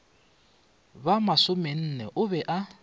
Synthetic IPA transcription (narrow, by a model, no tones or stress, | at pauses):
bamasʊmɛn̩nɛʔʊbɛʔa